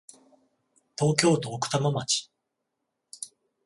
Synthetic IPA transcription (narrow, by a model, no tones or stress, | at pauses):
t̪o̞ːkʲo̞ːt̪o̞ːkɯ̟̥t̪amamat͡ɕi̥